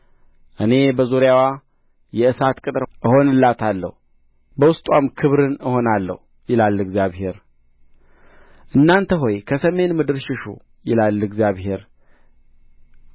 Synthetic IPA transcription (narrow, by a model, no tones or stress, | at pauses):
ʔɨne̞bəzuɾjawa | jɛɨsat̪kʼɨt̪ʼɾʔɨho̞nɨlːat̪ʰalːə̰hu | bəwʊst̪ʼwamkʰɨβɾɨnɨho̞nalːə̰hu | jɪlalːɨɡzjaβhe̞ɾ | ʔɨnːant̪ʰəɦo̞jkʰəsəme̞nmɨd̪ɨɾʃɪʃṵ | jɪlalːɨɡzjaβhe̞ɾ